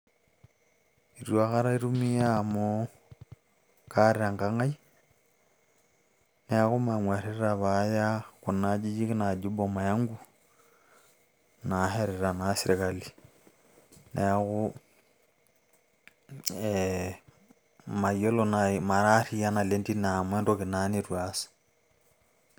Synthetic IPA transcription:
i˨ɾua˦ka˦ɾa˦i˦ɾu˦mi˦ja˦mo | kaɾeaŋka˦ŋa˦i | nɛ˦ɣu˦maŋwa˨ɾeɾaβaja˦ku˨na˦d͡ʒi˦d͡ʒi˦kna˨d͡ʒu˦bɔma˨ja˦ŋɡu˦ | naɦɛɾɛɾa˨nasiɾikali | nɛɣu | ɛ | ma˨jɔ˦lɔnama˨ɾaɾi˦a˦na˨lendi˦namwɛ˦ndoki˨naniɾwasḁ

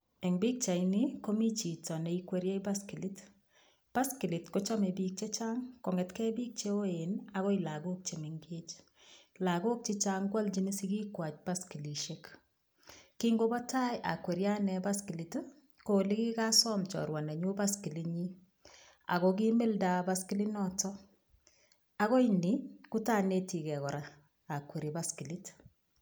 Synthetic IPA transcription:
ɛ˨ŋbi˦k̚t͡ʃa˨ini˦ko˦mi˦t͡ʃi˨tɔ˨nɛ˨ikwe˦ɾje˦iba˦ski˨li˦t | b̥a˦ski˨li˨tko˦t͡ʃa˦me˨bi˦k̚t͡ʃe˦t͡ʃa˦ŋkɔ˨ŋɛ˨tkɛ˦bi˦k̚t͡ʃe˦o˦ena˦ɣɔ˦i˨la˨ɡo˦k̚t͡ʃe˨me˨ŋɡe˦t͡ʃ | la˨ɡo˦k̚t͡ʃɪ˦t͡ʃaŋɡwa˦ld͡ʒi˦nɪ˦si˦ɡi˦kwa˨t͡ʃba˦ski˨li˨ʃe˦k | kiŋɡo˦bɔ˦tʰa˦jʔa̰˨kwe˨ɾja˦nɛba˦ski˨li˨t | ko˨li˦ki˦ka˦sɔ˦mt͡ʃɔ̰˨ɾwa˨nɛ˨ɲu˦ba˦ski˨liɲi˦ | a̰˨ɣɔki˦mɪ˦lda˨ba˦ski˦li˦nɔtɔ | a˦ɣɔ˦iniku˦ta˦˨ne˨ti˨kɛ˨kɔ˨ɾaː˨ | kwe˨ɾiba˦ski˨li˦t

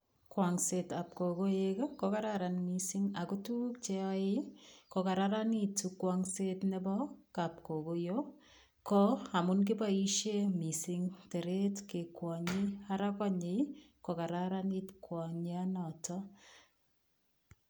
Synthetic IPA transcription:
kwa˨ŋse˨ta˨p̚ko˨ɡo˦je˦kko˦ka˦ɾaɾa˨nmisiŋa˨ku˦tu˦k̚t͡ʃe˦ɔ˦e˦ko˨ka˨ɾaɾa˦ni˦tukwa˨ŋse˦tnɛ˦bɔ˦kap̚ko˨ɡo˦jo | kɔ˦a˨mu˦nk̬i˦ba˦i˦ʃe˦mi˨siŋte˨ɾetke˨kwɔ˨ɲi˦a˦ɾa˦kɔɲe˨ | ko˨ka˨ɾaɾa˦nitkwɔ˨ɲa˦nɔtɔ

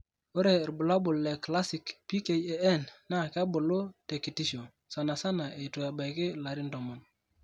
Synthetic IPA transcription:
o˦ɾe˨ɾbu˨la˦bʊ˨lːɛ˨kla˦si˨kpi˦ke˦je˨ɛ˦nːa˦˨ka˦bʊ˨lʊ˦te˨ki˨ti˦ʃo˨ | sa˨na˨sa˦na˨e˨to˨ja˨ba˨jkɪ˦la˨ɾi˦ndɔ˨mɔ˨n

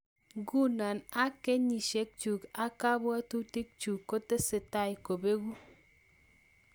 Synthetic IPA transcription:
ɡu˦na˨na˦ke˦ɲi˨ʃe˦k̚t͡ʃu˨ka˦ka˦bwa˦tu˦ti˦k̚t͡ʃu˨kːo˦te˦sɪ˨ta˦jko˨be˦ɡu˦

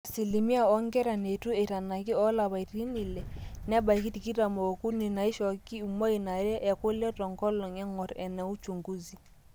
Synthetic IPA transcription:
a˨si˨li˨mi˦a˨ɔ˦ŋɡɛ˦ɾa˨ne˨tu˦e˨ta˨na˨ki˦ɔ˦la˨βa˨i˨ɾi˦ni˨lɛ˨nɛ˦ba˨i˨ki˦ti˨ki˦ɾa˨mɔ˨o˨ku˦ni˨na˨i˦ʃɔ˨ki˦u˨mɔ˦i˨na˨ɾɛ˦ʔɛ˨kʊ˦lɔ˦tɔ˨ŋɡɔ˦lɔ˨ŋɛ˦ŋɔ˨ɾɛ˨nɛ˨u˦t͡ʃu˨ŋɡu˦zi˨

